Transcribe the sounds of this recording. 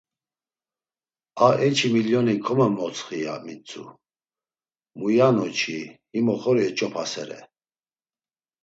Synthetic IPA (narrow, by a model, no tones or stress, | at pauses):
aɛt͡ʃʰimiljɔnikʰʼɔmɛmɔt͡sχija̰mit͡sʼṵ | mujanɔt͡ʃʰihimɔχɔɾiɛt͡ʃʼɔpʰasɛɾɛ̰